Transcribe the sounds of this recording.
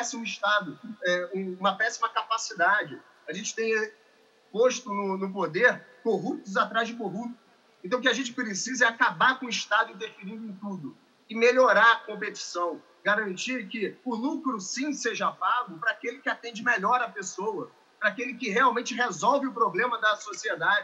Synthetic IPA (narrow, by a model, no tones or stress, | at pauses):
pɛsimʊiʃt̪ad̪ʊɛũũmɐpɛsimɐkapasid̪ad͡ʒɪ | aʒẽnt͡ʃɪ̥t̪ẽj̃ | poʃt̪ʊnʊnʊpod̪eɾkoɦup̚t̪ʊzat̪ɾazd͡ʒɪkoɦup̚t̪ʊ | ẽt̪ɐ̃ʊkɪaʒẽnt͡ʃɪ̥pɾesizɛakabaɾkõʊ̃iʃt̪ad̪ʊĩnt̪eɾfiɾĩnd̪ʊẽt̪ud̪ʊ | ɪmeʎoɾaɾɐkõmpet͡ʃi̥sɐ̃w̃ | ɡaɾɐ̃nt͡ʃiɾkɪʊlukɾʊsĩseʒɐapaɡʊpɾɐaːkelɪkɪat̪ẽnd͡ʒɪmeʎɔɾɐpesowɐ | pɾɐakelɪkɪɦeawmẽnt͡ʃɪɦezɔwvɪʊpɾoblẽmɐd̪ɐsosied̪ad͡ʒɪ